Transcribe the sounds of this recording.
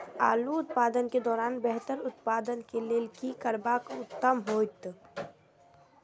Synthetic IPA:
a̰ːluʊt̪̚paːd̪ənked̪ɔːɾaːnbɛɦt̪əɾʊt̪paːd̪ənkeleːlkikəɾbakʊt̪ːəmɦoːt̪

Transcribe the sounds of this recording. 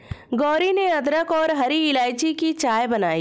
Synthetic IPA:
ɡɔːɾineɐd̪ɾəkɔːɾɦɐɾiɪlaːjt͡ʃikit͡ʃaːjbɐnaːi

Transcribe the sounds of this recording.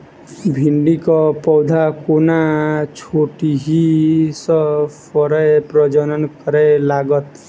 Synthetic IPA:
bʱiɳɖikɔpɔwd̪ʱakonat͡ʃʰoʈiɦisɔpʰɔɾɔjepɾɔd͡ʒɔnɔnkɔɾelaɡɔt̪

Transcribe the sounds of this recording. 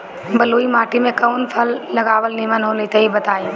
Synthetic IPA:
bɐloːimaːʈimẽkɐʊnpʰɐlːɐɡaːʋəlnimənɦoːlit̪ɐɦibɐt̪aːĩ

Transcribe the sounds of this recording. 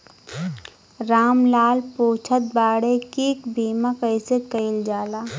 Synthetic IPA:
ɾaːmlaːlpoːt͡ʃʰət̪̚baːɽekiːkbʱiːmakəɪsekəɪld͡ʒaːlaː

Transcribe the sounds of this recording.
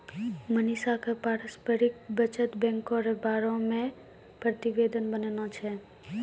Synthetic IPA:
mənisakʰəpaɾəspəɾik̚bət͡ʃət̪bɛ̃ŋkoɾebaɾõmẽ | pɾət̪iʋed̪ənbənenot͡ʃʰe

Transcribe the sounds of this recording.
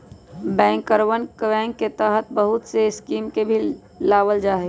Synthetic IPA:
bɛ̃ːŋkːəɾwənkbɛ̃ːŋkːet̪əɦət̪̚bəɦʊt̪seɪskiːmkebʱi | laːʋəld͡ʒaːɦe

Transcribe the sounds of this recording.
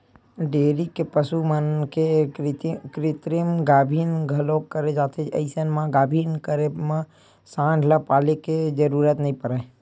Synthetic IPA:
ɖeːɾikepəsumənke | kɾɪt̪ɾimɡaːbʱiːnɡʱəlokkːəɾed͡ʒaːt̪ʰed͡ʒə̰ɪsənmãɡaːbʱiːnkəɾemã | sãːɖʱləpaːleked͡ʒəɾuːɾət̪nəĩpəɾa

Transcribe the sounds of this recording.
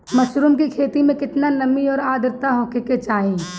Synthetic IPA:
mɐʃɾumkikʰeːt̪imẽkɪt̪nalɐmiɔːɾaːd̪əɾt̪aɦɔ̃ːkeket͡ʃaːĩː

